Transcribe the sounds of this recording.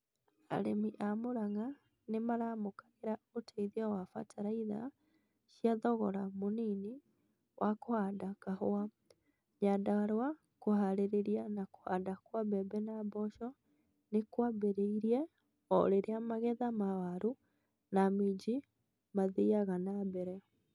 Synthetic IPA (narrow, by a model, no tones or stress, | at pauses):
a̰ɾemiʔamoɾaŋa | nemaɾaːmokaɣeɾaotʰaiðawafa̰tʰaɾaiða̰ | ɕijaðɔɣɔ̰ɾamonini | wʔakohadakahoa | ɲadaaɾwa | koɦaɾeɾeɾianako̥hadakwabɛbɛnabɔʃɔ | nekwabeɾeiɾiɛ | ɔɾeɾeamaɣɛðamawaɾu | namid͡ʑi | maðeaɣanabɛɾɛ